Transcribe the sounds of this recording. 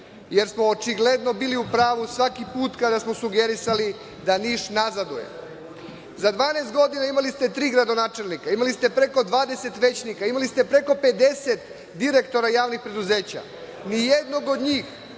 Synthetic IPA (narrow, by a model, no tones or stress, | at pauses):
je̞ɾsmo̞ːt͡ʃiɡle̞d̪no̞biːliupɾaːʋusʋakipuːt̪kad̪asmo̞suɡe̞ɾisali | d̪aniːʃnazad̪ujḛ | zad̪ʋaːneːst̪̚ɡo̞d̪inaimalist̪e̞t̪ɾiːɡɾad̪o̞naːt͡ʃe̞lnikaimalist̪e̞pɾe̞ko̞d̪ʋaːd̪e̞se̞t̪ʋe̞t͡ɕnikaimalist̪e̞pɾe̞ko̞pe̞d̪e̞set̪ | d̪iɾe̞kt̪o̞ɾajaːʋnixpɾe̞d̪uze̞ːt͡ɕa̰ | nijed̪no̞ɡod̪ɲiːx